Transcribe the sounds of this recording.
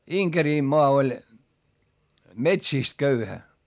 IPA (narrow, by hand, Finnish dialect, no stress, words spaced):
iŋkeriˑmːoɑ olʲ metsiˑst køyhæ